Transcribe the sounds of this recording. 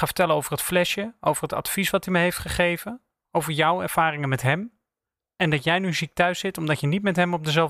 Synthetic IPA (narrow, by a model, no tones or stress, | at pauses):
χaːvə̥ɹtɛlənowvərɦətflɛʃjəo̰wvərɦətɑ̰tfisʋɑtiməɦejftχəχejvən | owvəɹjɔwɛ̰ɹv̥aːrɪŋənmɛtɦɛm | ɛndɑtjɛjnyzik̚tœɥsɪtɔmdɑcjənitmɛtɦɛmɔb̚dəzɛlˠ